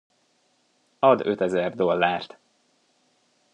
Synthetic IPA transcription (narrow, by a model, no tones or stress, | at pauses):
ɒd̪øt̪ɛzɛrd̪o̞lːaːrt̪